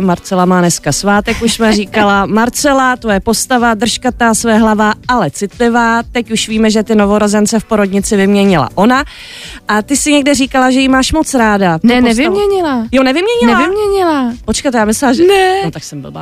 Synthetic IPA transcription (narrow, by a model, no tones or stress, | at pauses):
maɾt͡sɛlamaːnɛskasvaːt̪ɛkuʃsmɛriːkalamaɾt͡sɛlat̪ojɛpo̞st̪avad̪r̩ʃkat̪aːsvɛɛɦlavaalɛt͡sɪt̪lɪvaːt̪ɛcuʃviːmɛʒɛt̪ɪno̞vo̞ɾo̞zɛnt͡sɛfpo̞ɾo̞dɲɪt͡sɪvɪmɲɛɲɪla̰ʔo̞na | ʔat̪ɪsɪɲɛɡ̚dɛriːkalaʒɛjɪmaːʃmo̞t͡sɾaːdatnɛɛnɛsvɪmɲɛɲɪlajonɛvɪmɲɛɲɪnɛlavɪmɲɛɲɪlapot͡ʃkajt̪jaːmɪslɛlaʒɛnɛnot̪aksɛmbɪ̰lba̰